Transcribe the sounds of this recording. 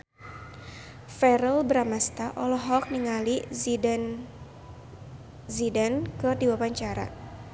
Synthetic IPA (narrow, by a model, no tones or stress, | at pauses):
fɛɾəlbəɾamast̪aʔɔlɔɦɔk̚niŋali | zidankɨrdiwapaɲt͡ʃaɾa̰